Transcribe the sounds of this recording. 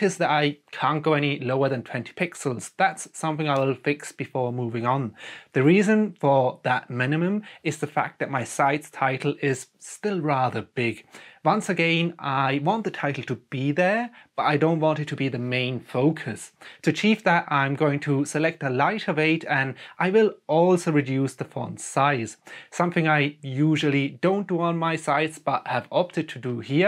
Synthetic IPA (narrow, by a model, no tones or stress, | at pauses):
ɨzðɨɾaɪkʰæ̃nɡ̥oʊɛniloʊə˞ðɨ̃ntʰw̥ɛ̃ntʰi̥pʰɪksəl̩ˠz̥ðætsːʌ̃mθɪ̃ŋaɪwɪlˠfɪksb̥ɨfɔɹmuvɪ̃ŋə̃nðɨɹizɨ̃nfə˞ðət̚mɪ̃nɨmɨ̃mɨzðɨfæ̰k̚ðɨt̚maɪsaɪtstʰaɪɾl̩ˠɪz̥ | stɪlˠɹæðə˞bɪɡwʌ̃nsɨɡɛ̃naɪwɑ̃nðɨtʰaɪɾl̩ˠtʰɨb̥iðə˞b̥ʌɾaɪdõʊ̃nʔ̚wɑ̃ntɨd̚tʰɨbiðɨmẽɪ̃nfoʊkʰɨstʰɨɨt͡ʃʰivðəɾãɪ̃mɡoʊɪ̃ŋtʰɨsɨlɛk̚təlaɪɾʌveɪɾɨ̃nʔaɪwɪlˠɔlˠsoʊɹɨdjʉsðəfʌ̰̃ndsaɪz̥sʌ̃mθɪ̃ŋaɪjuʒəl̩ˠidõʊ̃nd̥əə̃nmaɪsaɪtsb̥ʌt̚hɨvɑp̚tɨd̚tʰɨdɨhiɹ